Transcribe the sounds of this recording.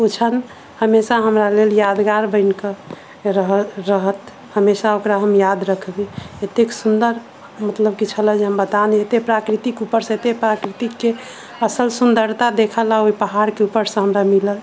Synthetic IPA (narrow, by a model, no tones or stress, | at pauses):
ot͡ʃʰən | həmesaɦəmɾaleljad̪ɡaɾbəɪnkə | ɾəɦəɾəɦət̪ | həmesaokɾaɦəmjad̪ɾəkʰbeet̪eksund̪əɾ | mət̪ləb̚kit͡ʃʰələd͡ʒeɦəmbət̪aneet̪epɾakɾit̪ikupəɾsə̃et̪epɾakɾit̪ikːe | əsəlsund̪əɾt̪ad̪ekʰəlaoipəɦaɾkeupəɾsə̃ɦəmɾamiləl